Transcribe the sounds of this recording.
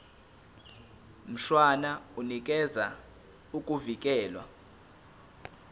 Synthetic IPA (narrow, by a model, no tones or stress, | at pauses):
m̩ʃwanaunik̬ʼɛza | ukʼuvik̬ʼɛːlwa̰